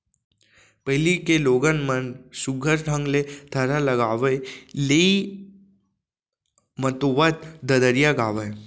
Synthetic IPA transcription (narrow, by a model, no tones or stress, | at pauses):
pɐɦlikeloːɡənmənsuɡʱəɾɖʱə̃ŋɡlet̪ʰəɾalɐɡaːʋəlei | mət̪oʋət̪d̪ɐd̪əɾijaɡaːʋəj